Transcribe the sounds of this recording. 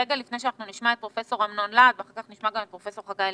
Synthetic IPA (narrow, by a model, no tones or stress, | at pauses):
eɡalifnejʃeanaχnuniʃmaet̪̚pʁofeso̞ʁamnonlad̪veaχaʁkaχniʃmaɡamet̪̚pʁofeso̞ʁχaɡa